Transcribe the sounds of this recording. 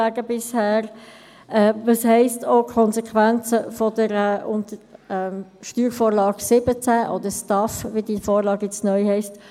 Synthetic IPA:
æːɡəbɪshæːɾ | ɛːvɑshɛɪstʰokʰɔnzɛkʰʋænt͡səfɔdəɾɛʔʊnt̪əɛʃtyːɾfoːɾlɑːɡsɪbət͡sæʔɔ̰d̪əstɑfʋidiːnfoːɾlɑːɡjɛt͡snœʏhɛɪst

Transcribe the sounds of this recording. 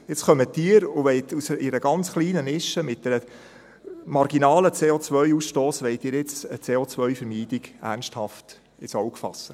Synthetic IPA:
jɪt͡sχœmət̪iːəɾʊʋɛɪt̪ʰusɪɾəɡɑnt͡sχliːnənɪʃəmɪt̚d̥ɛɾə | mɑɾɡinɑːlət͡seːot͡sʋœɥusʃtoːsʋɛɪtɪːɾjɪt͡sət͡seːoːt͡sʋœɥfəɾmiːd̥ɪɡæ̰ɾnsthɑft | ɪsɔwkfɑ̰sːə

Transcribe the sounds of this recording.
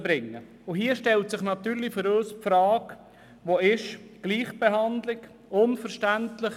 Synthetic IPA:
b̥ɾɪŋːə | ʊɦiːəʃtɛltsɪχnɑt̪yːɾlifʏɾøːspfɾɑːk | ʋoɪʃɡ̥liːχb̥eɦɑndlɪɡ | ʊnfəɾʃtæntlɪχ

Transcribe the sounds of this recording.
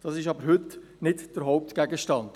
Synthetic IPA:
d̥ɑsɪʃɑbəɾɦʏt | nɪtd̥əɾɦoʊp̚tɡ̥ɛɡəʃtɑnd̥

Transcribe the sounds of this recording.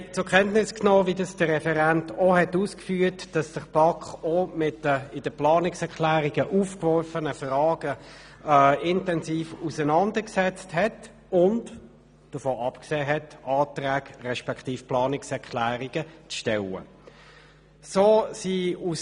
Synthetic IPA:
t͡sʊkʰɛntnɪsknoːvidɑsd̥əʁɛfɛʁæntohɛtuːskfyːtd̥ɑsd̥əʁb̥ɑkχomɪtəɪd̥əplɑːnɪksɛʁkʰlæːʁiɡəʔuːfkʋɔɾfənəfrɑːɡ̥ə | ɪntɛnsiːfusənɑndəksɛt͡sthɛt | ʊnt | d̥əfoːʔɑpkseːɦɛtʔɑːtʁæːɡrɛʃpɛkχtiːfplɑːnɪksɛʁkʰlæːʁiɡət͡sʃtɛlə̰ | soːsiːus

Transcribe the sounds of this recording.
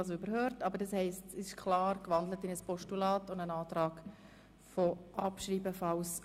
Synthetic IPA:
soʏbəɾhøːɾtɑbəɾdɑshɛɪstɪʃkʰlɑːɾkʋɑndlətɪnəspɔʃtulɑːtʊndənɑːtɾɑːɡ | fɔʔɑpʃriːbəfɑws

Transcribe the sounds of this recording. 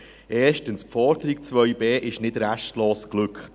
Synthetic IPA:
ʔɛːʃtənspfɔɾdəɾɪk̚t͡sʋœʏbeːʔɪʃnɪdɾæʃtloːsklʏkχ

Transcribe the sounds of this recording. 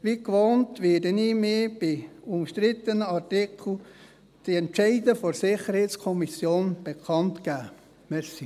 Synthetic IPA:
ʋikʋoːntveːdəniːmiːb̥iʊmʃtɾɪt̪ənəɑrtɪkl̩ | d̥iɛntt͡ʃɛɪdəfɔɾsɪχəɾhɛɪtskʰɔmisjoːnb̥ekʰɑntɡ̥æː | mɛsi

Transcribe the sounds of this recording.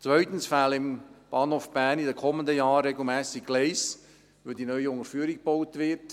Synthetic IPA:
t͡svœʏtənsfælɪmb̥ɑːnhofb̥æːnidəkʰɔməndəjɑːrɾeɡl̩mɛːsɪkɡ̥leɪs | ʋødinœʏəʊŋəɾfyːɾik̚b̥oʊtvɪt

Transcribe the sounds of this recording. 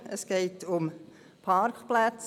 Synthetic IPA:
əsɡ̥eɪtʊm | pʰɑɾkχplæt͡s

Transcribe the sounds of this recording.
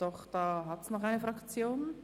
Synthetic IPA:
d̥ɔχd̥aːɦatsnɔχaɪnəfʁakt͡sjoːn

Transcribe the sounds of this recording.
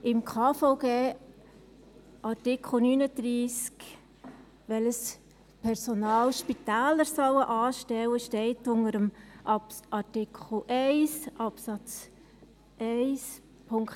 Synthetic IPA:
ɪmkʰɑːfɔʊɡeː | ʔɑɾtɪkχl̩ˠnyːnəd̥ɾiːsk | ʋɛləs | pʰɛɾsɔnɑːlʃpitæːləɾsɑwəʔɑːʃtɛwəʃtɛɪtʊnəɾəmʔɑpʔɑɾtɪkʰχl̩ʔɛɪsʔɑpsɑt͡s | ʔɛɪs | pʰʊŋk

